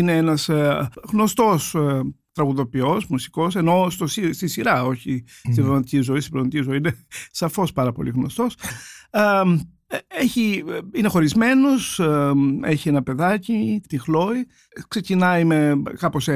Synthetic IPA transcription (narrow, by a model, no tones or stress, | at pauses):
ineenɐsɣno̞st̪o̞st̪ɾɐɣuðo̞pio̞smusi̥ko̞se̞no̞st̪osist̪isiɾɐo̞çi | st̪ibɾnt̪icizo̞ist̪ibɾnt̪icizo̞iinesɐfo̞spɐɾɐpo̞̰liɣno̞̰st̪o̞s | eçiine̞xo̞ɾizme̞nos | eçienɐpe̞ðɐcit̪ixlo̞i | kse̞cinɐime̞kɐpos